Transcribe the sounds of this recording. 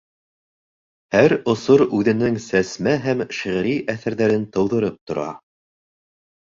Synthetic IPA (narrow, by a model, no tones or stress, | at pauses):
hæɾŏsoɾʉðɘ̆nɘŋsæsmæɦæmʃiʁ̆ɾiʔæθæɾðæɾɘnt̪ɤ̆wðɤ̆ɾɤp̚t̪ŏɾɑ̰